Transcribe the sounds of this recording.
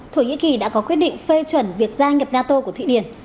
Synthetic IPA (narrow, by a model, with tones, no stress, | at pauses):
t̪ʰo˧˩ŋḭ˧˥ki˨˩ɗa̰ː˧˥kɔ˨˦kwi˦˥ət̚ɗḭ˧˨ŋ̟fe˧t͡ɕwə˧˩nvi˨˩ək̚zaː˧ŋə˨˩p̚naː˧t̪o˧ku˧˩ət̪ʰḭ˧˨ɗi˧˩ən